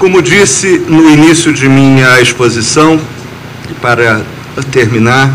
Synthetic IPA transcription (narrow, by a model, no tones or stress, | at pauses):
kõmʊd͡ʒisɪnʊinisjʊd͡ʒɪmĩɐeʃpozisɐ̃w̃ | paɾɐ | t̪eɾmĩnaɾ